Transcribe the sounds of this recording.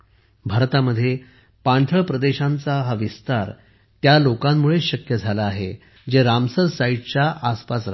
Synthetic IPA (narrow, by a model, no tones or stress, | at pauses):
bʱaɾt̪aməd̪ʱːje | pãɳʈʰəɭpɾəd̪eɕãnt͡saɦaʋist̪aɾ | t̪jalokãmːuɭeɕəkjəd͡zʱalaːɦe | d͡ʑeɾamsəɾsaiʈ̚t͡ɕjaʔaspasɾ